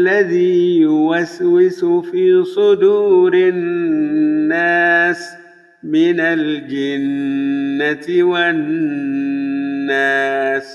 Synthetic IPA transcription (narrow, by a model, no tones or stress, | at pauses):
lːaðiːjʊwaswɪsʊfiːsˤʊd̪uːɾɪ | aːs | mɪnald͡ʒɪnː | at̪ɪwan | aːs